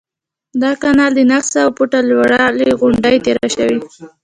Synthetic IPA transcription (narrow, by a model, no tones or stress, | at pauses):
d̪ɑkanɑld̪ənaqsawpuʈalwaɽaliɣʊɳɖəjt̪eɾa̰ʃawi